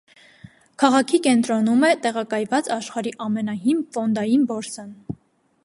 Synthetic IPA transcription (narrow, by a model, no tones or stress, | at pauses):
kʰɑʁɑkʰikɛnt̪ɾɔnumɛt̪ɛʁɑkɑjvɑt͡sɑʃχɑɾiʔɑmɛnɑɦimfɔnd̪ɑjinbɔɾsən